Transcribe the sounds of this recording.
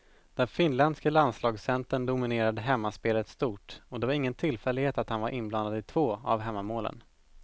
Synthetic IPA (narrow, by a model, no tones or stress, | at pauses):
d̪̥ɛnfɪnlɛnd̪skəland̪slɑːɡsɛnt̪əɳd̪ʊmɪneːɾad̪əɦɛmːaspeːlət̪st̪uːʈɔd̪ɛvaɾɪŋːənt̪ʰɪlfɛlːɪɡheːt̪at̪hanvaɾʔɪnbland̪ad̪ɪt̪ʰv̥oːa̰vɦɛmːamoːlə̰n